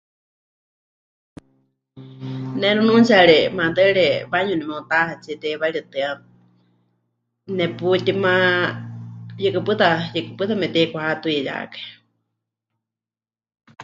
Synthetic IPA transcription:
nɛnunũnt͡ʃaɺɛmad̪əɺɛβaɲunimɛũt̪ahat͡sɛt̪ɛβaiɺiɨt̪ɨa | nɛput̪imã | jɨkɨpɨt̪ajɨkɨpɨt̪amɛt̪ɛkʷahat̪uiaja̰ːkḁ

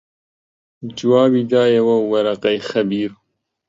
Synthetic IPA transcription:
d͡ʒuwaːbid̪aːjɐwɐwɐɾɐqɐjxɐbiːɾ

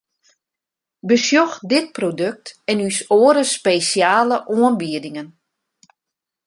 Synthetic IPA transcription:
bəsjɔxdɪt̚prodøk̚tɛnysoəɾəspeːsjaːləʔoənbiədɪŋən

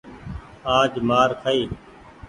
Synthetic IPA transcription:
aːd͡ʒmaːɾkʰaiː

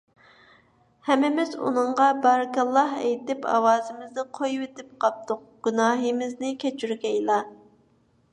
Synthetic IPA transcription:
hɛmɪmɪzṵnɨŋʁɑbɑɾɡɑlˠːɑhɛ̰jt̪ɪpʰɑ̰wɑːzɪmɪznɨqʰojwet̪ɪp̚qʰɑp̚t̪ʰʊq̚ɡ̥ʲynɑːɦimɪznɪkʲʰɛt͡ʃʰyɾɡʲɛjlˠɑ

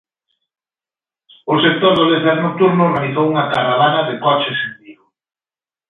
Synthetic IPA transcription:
ʊsek̚t̪oɾðoleθɛɾnok̚t̪uɾnʊmaɾiθowuŋakaɾaβanaðekɔt͡ʃesend̪iɣʊ

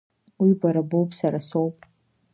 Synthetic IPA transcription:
wibʷaɾabowpʼsaɾasowpʼ

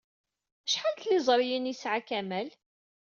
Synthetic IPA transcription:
əʃħalt̪lɪzˤɾˤjinisʕakæmæl

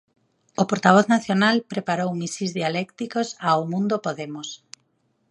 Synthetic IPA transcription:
opoɾt̪aβ̞ɔθnaθjonalpɾepaɾowmisizðialɛkt̪ikosawmũnd̪opoðemos

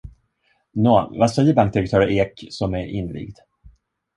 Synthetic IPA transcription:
noːvasɛjːəbaŋk̚d̪ɪɾɛk̚t̪ʰœːɾʔeːksɔmæɾʔɪ̰nːlḭːɡd̪̥

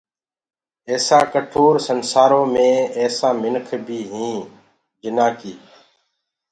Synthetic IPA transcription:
eːsãːkəʈʰoːɾsənsaːɾõːmẽːɛːsãːmɪnkʰbʱiːɦĩː | d͡ʒɪnãːkiː

